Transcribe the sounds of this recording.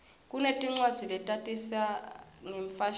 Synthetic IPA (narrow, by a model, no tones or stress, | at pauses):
k̬ʼunetʼiŋ͡ǀwad̥z̥ʱilɛtʼatʼisaŋeɱfaʃ